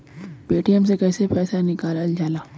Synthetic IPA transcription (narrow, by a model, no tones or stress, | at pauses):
beːʈiəmsekɛːsepɛːsanɪkaːlald͡ʒaːlaː